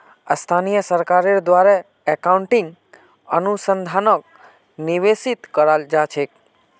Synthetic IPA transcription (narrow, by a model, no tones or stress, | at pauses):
ə̰st̪ʰanijəsəɾkaɾeɾd̪ʋaɾa | ɛkauɳʈiŋɡ | ə̰nusənd̪ʱanək̚ | niʋesit̪kəɾald͡ʒat͡ʃʰek